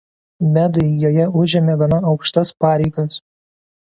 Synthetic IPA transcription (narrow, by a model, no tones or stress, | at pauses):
mʲæd̪ɐɪjoːjɛʊʒʲɛmʲeːɡʲɐnɐɒʊkʃt̪ɐspɑːɾʲɛɪɡɐs